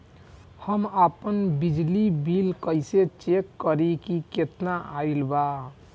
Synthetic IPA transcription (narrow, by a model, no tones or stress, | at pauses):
həmapənbid͡ʒlibilkəɪset͡ʃekːəɾikiket̪naailba